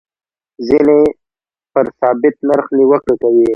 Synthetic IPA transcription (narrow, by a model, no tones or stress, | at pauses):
zine | pəɾsɑːbɪt̪̚naɾxliwəkɽkawi